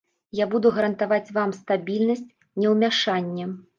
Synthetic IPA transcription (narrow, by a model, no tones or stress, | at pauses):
jabud̪uɣɐɾɐnt̪avat͡sʲvamst̪abʲilʲnɐsʲt͡sʲ | nʲɛwmʲaʂanʲːɛ